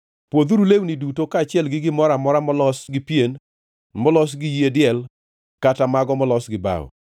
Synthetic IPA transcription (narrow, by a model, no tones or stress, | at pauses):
pwod̪uɾulewnidutokaːt͡ʃɪɛlɡɪɡɪmɔɾamɔɾamɔlɔsɡɪpjen | mɔlɔs̬ɡɪjiedɪɛl | katamaɡɔmɔlɔsɡɪba̰wɔ̰